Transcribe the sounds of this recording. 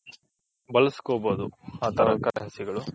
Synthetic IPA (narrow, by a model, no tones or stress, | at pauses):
bɐlɐsi̥koːboːd̪uhaːt̪ɐɾɐkɐɾɐɦɐsiɡɐɭu